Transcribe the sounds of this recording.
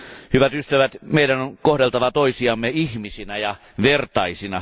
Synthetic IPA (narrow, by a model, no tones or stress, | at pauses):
hyʋæt̪yst̪æʋæt̪meidænoŋkohdelt̪ɑʋɑt̪oisiɑmːeihmisinæjɑ | ʋert̪ɑisinɑ